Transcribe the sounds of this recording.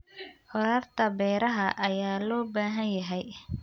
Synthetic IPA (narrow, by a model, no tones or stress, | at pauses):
hɔɾaːrt̪ʰɐbɛːɾɐɦɐʔɐjaːlɔːbaːɦɐnjɐɦɛj